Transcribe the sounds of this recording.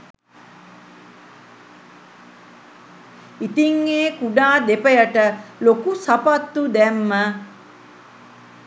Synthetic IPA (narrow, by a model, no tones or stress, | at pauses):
it̪iŋːeːkuɖaːd̪epəjəʈəlokusapat̪ːud̪ɛmːə